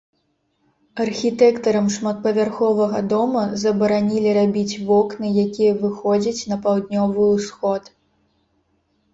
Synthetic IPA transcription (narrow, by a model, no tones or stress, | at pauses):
ɐrxʲit̪ɛkt̪ɐɾɐmʂmɐt̪̚pɐvʲarxɔvɐɣɐd̪ɔmɐzɐbɐɾanʲilʲiɾabʲit͡sʲvɔknɨjakʲijɐvɨxɔd͡zʲɐt͡sʲnɐpawd̪nʲɔvɨusxɔt̪